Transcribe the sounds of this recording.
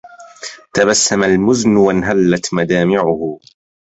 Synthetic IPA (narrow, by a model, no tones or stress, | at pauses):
t̪abasːamalmʊznwanɦalːat̪mad̪aːmɪʕʊhʊ